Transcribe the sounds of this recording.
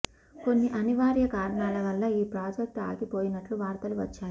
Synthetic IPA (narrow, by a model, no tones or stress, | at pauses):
ko̞nːiʔɐniʋaːɾjɐkaːɾɐɳaːlɐʋɐlːɐiːpɾaːd͡ʒɐk̚t̪a̰ːɡipoːjinɐʈluʋaːɾt̪ɐluʋɐt͡ʃːaːɾu